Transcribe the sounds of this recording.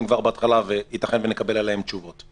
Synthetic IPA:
mkvaʁbeatχalavehit̪aχenvenekabe̞lalahe̞mt͡ʃuvo̞t

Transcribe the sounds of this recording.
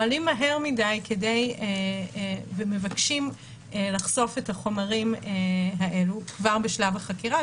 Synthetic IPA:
alimːaɦe̞ʁmidajkʰede̞je | veme̞vakʃim | elaχso̞fetaχo̞maʁimeɦaʔe̞lukvaʁbeʃlavaχakiʁa

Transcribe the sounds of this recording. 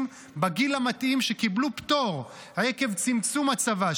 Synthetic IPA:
m | baɡilamatimʃekiblupt̪o̞ʁ | haekevt͡simt͡sumat͡sava

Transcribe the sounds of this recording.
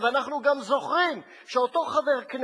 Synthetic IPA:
veanaχnuɡamzo̞χʁim | ʃeot̪o̞χaveʁkn

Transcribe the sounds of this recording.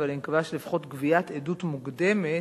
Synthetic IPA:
valimkavaʃlifχo̞t̪ɡviat̪edutmuɡd̪eme

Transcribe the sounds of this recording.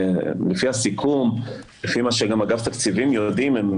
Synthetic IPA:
lefihasikʰum | lefimaʃeɡamaɡaft̪akt͡sivimjod̪imem

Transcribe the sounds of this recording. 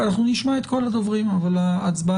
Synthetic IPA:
anaχnuniʃmaet̪̚ko̞lad̪ovʁimavalaat͡sba

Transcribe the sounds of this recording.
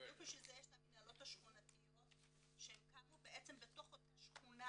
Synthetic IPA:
ukmiʃvilzejeʃtaminhalo̞thaʃχunat̪ijo̞t | ʃeemkamubeʔet͡sembeto̞χotaʃχuna

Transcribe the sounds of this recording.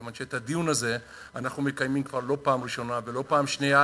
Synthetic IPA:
manʃeːt̪ad̪ijunaze̞ | anaχnume̞kajmimkvaʁlo̞paːmʁiʃo̞nave̞lo̞paːmʃneja

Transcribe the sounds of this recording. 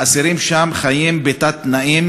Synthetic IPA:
asiɾimʃamχajimbet̪at̪naʔim

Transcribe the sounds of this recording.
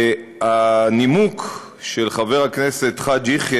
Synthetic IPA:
animuk | ʃelχaveʁakneset̪χadiχj

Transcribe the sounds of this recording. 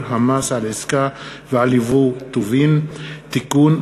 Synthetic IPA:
hamasaleskavalivut̪uvint̪ikun

